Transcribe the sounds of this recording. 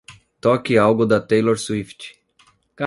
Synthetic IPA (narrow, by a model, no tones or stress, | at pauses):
t̪ɔkɪawɡʊd̪ɐt̪ejloɾsuift͡ʃ | ka